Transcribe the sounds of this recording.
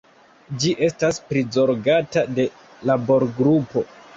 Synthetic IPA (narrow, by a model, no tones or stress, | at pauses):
d͡ʒiʔe̞staspɾizo̞ɾɡatade̞ | labo̞ɾɡɾupo̞